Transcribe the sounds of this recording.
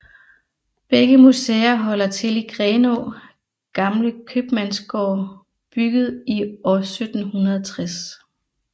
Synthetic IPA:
b̥eɡ̥əmusḛːɐɦɒ̽l̰ɐt͡sʰe̝liɡ̥ʁeːno̝ | ɡ̥ɑ̈mləkʰøb̥mænsɡ̥ɒ̰ː | b̥yɡ̥əð̞̩ˠiɒsød̥n̩hunɐðˠt͡sʰʁas

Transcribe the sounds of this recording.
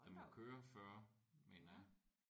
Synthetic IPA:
amɒkʰøːɐfɶɐ̰menɐ

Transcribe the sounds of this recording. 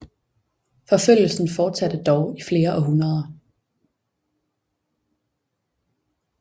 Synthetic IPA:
fɒ̽føl̰jl̩sn̩fɒ̥ːsæd̥əd̥ɒʊifle̝ːɐʔɒ̽ɦunɐðˠɐ

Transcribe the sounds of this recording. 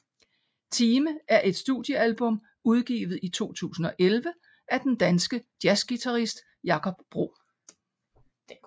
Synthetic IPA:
t͡sʰiːməæɐʔe̝d̥sd̥ṵðˠjəælb̥ɔ̽m | uð̞ˠɡ̥ḭːʋð̞̩ˠit͡sʰo̝̰ːt͡sʰṵːsn̩ɒ̽ʔelʋə | ʔæd̥end̥ænsɡ̥əd̥jæsɡ̥it͡sʰɑʁisd̥ | jɑ̈kʰɒ̽b̥ːʁo̝̰ː

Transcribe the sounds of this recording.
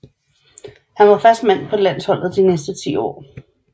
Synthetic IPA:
hænʋɑ̈fɶɐsd̥men̰pʰɒ̽læn̰shɒ̽l̰ð̩ˠd̥inesd̥ət͡sʰḭːɒ̰ː

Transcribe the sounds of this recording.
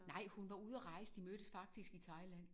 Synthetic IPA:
nɑ̈ɪ̰hunʋɑ̈uð̞̰ˠɐʁɑ̈ɪsəd̥imøɾ̥əsfɑ̈ɡ̥̚d̥isɡ̥it͡sʰɑ̈ɪlæn̰

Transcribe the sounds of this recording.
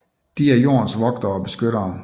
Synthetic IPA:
d̥iæɐjo̝̰ːɐnsʋɒ̽ɡ̥d̥ɐɒ̽b̥e̝sɡ̥øɾ̥ɐː

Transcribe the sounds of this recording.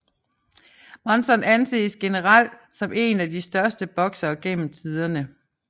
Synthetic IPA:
mɒnsɒ̽nænse̝̰ːsɡ̥e̝nəʁɑl̰d̥sɒ̽mʔe̝̰ːnæd̥isd̥ɶɐsd̥əb̥ɒ̽ɡ̥sɐːɡ̥en̰m̩t͡sʰið̞ˠɐnə

